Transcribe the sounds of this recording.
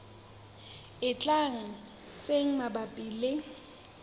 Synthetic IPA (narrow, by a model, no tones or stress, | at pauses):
ɪt͡ɬʼaŋ̩ | t͡sʼeŋ̩mabapʼiːlɪ